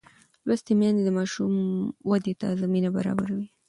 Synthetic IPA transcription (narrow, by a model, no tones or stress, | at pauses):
last̪emjɑnd̪ed̪əmɑʃumwad̪et̪azaminaba̰ɾɑ̰baɾawi